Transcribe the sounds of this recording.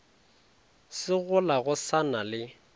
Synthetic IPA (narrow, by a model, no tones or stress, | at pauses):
sɪɣʊlaɣʊsanalɪ